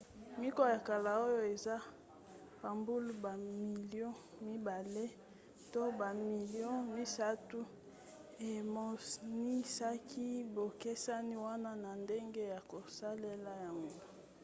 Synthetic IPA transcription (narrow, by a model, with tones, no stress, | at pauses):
mi˦kɔ˦ja˨ka˨la˨o˦jo˦e˨za˦ | pa˨mbu˦lu˦ba˨mi˨ljɔ̃˦ | mi˦ba˨le˦ | to˦ba˨mi˨ljɔ̃˦mi˦sa˦tu˦ | e˨mo˨ni˦sa˦kʰi˦bo˨ke˦sa˦ni˦wa˦na˦na˨nde˦ŋɡe˦ja˨ko˨sa˦le˦la˦ja˨ŋɡo˦